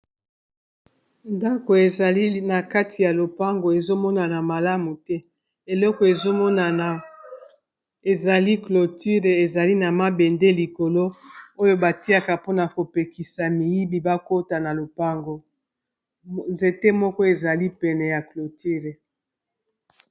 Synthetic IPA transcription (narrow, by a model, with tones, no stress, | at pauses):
nda˦ko˨e˨i˦na˨ka˦tʰi˨ja˨lo˨pa˦ŋɡo˨e˨zo˦mɔ˦na˨na˨ma˨la˦mu˨tɛ˦ | e˨lɔ˦kɔ˨e˨zo˦mɔ˦na˨ | e˨za˨li˦klo˨ti˦ʁe˨e˨za˨li˦na˨ma˦be˨nde˦li˨ko˨lo˦o˦jo˦ba˨ti˦a˦ka˨po˦na˨ko˨pe˨ki˨sa˨mi˨ji˦bi˨ba˦ko˦ta˨na˨lo˨pa˦ŋɡo˨ | nze˨te˦mɔ˦kɔ˦e˨za˨li˦pɛ˨nɛ˨ja˨klo˨ti˦ʁe˨